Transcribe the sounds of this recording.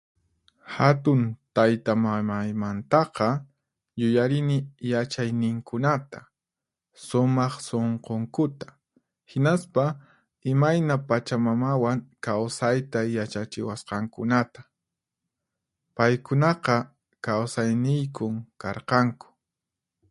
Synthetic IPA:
hat̪ʊnt̪ajt̪amamajmant̪ɑqɑ | jʊjaɾɪnɪjat͡ʃajnɪŋkʊnat̪a | sʊmɑχsoɴqoŋkʊt̪ḁ | hɪnaspa | ɪmajnapat͡ʃamamawaŋkawsajt̪ajat͡ʃat͡ʃɪwasqɑŋkʊnat̪ḁ | pajkʊnɑqɑ | kawsajnɪjkʊŋkɑɾqɑŋkʊ̥

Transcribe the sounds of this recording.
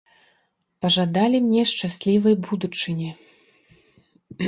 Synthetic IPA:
pɐʐad̪alʲimnʲɛʂt͡ʂasʲlʲivɐjbud̪ut͡ʂɨnʲi

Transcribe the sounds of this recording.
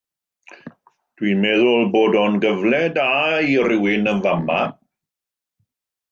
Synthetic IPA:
d̥winmɛðʊlˠboːdɔnɡəvlɛdairɪwɪnənvama

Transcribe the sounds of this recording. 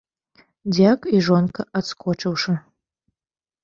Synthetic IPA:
d͡zʲakʷʼiʐonkʰɐʔat͡skʰʷoʈ͡ʂʰʼɐwʂɐ

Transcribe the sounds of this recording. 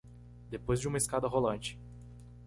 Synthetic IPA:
d̪epojzd͡ʒɪũmɐiskad̪ɐɦolɐ̃nt͡ʃɪ̥

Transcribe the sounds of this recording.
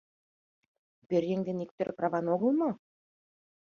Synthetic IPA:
bʲɘɾʲjeŋd̪ʲenik̚t̪ɘ̆ɾʔprɑvɑnoɣɤ̆lˠmɤ

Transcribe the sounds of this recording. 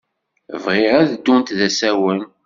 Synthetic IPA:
vʁɪɾæðəd̪ːunt̪ðæsæwən

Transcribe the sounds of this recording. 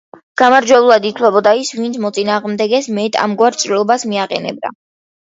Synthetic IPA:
ɡ̥amaɾd͡ʒwɛbulˠad̪it̪ʰlɛbɔd̪aisvint̪sʰmɔt̪sʼinaːʁmd̪ɛɡɛsmɛt̪ʼa̰mɡwaɾt͡ʃʼɾilˠɔbasmiaqʼɛ̰nɛ̰b̚d̪a̰

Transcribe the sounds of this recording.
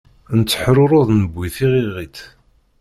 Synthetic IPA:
nət͡sːə̥ħɾʊɾˤoðˤnəbʷːiθiʁiʁit̪

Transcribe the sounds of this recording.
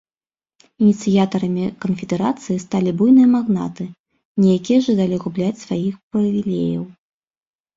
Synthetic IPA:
inʲit̪sɨjat̪ɐɾɐmʲikɐnfʲɛd̪ɛɾat̪sɨjist̪alʲibujnɨjɐmaɣna̰t̪ɨ | nʲijakʲijɐʐɨd̪alʲiɣublʲat͡sʲsvajixprɐvʲilʲḛjɐ̰w

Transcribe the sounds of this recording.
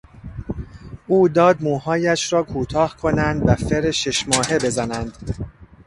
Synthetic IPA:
ʔuːd̪ɒːd̪̚muːhɒːjæʃɾɒːkʰuːt̪ʰɒːhkʰo̞nænd̪væfeɾeʃe̞ʃmɒːhe̞be̞zænænd̪̥

